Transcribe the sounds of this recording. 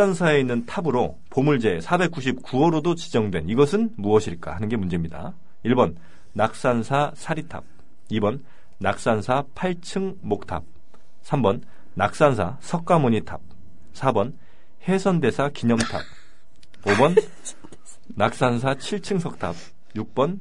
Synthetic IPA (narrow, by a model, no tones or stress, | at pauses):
ansʰae̞inːɯntʰabɯɾo | pomuɭd͡ʑe̞sʰabe̞k͈uɕ̬ʰip̚kuʌɾodot͡ɕid͡ʑʌŋdwe̞niɡʌsʰɯnmuʌɕʰiɭk͈a̰hanɯnɡe̞mund͡ʑe̞mɲida̰ | iɭbʌnː | ak̚s͈ansʰasʰaɾitʰa̰b̚ | ibʌnː | ak̚s͈ansʰapʰaɭt͡ɕʰɯŋmok̚tʰa̰p̚ | sʰambʌnː | ak̚s͈ansʰasʰʌk̚k͈amoɲitʰab̚ | sʰabʌn | he̞sʰʌnde̞sʰakiɲʌmtʰa̰b̚ | obʌn | nak̚s͈ansʰat͡ɕʰiɭt͡ɕʰɯŋsʰʌk̚tʰa̰b̚ | juk̚p͈ʌn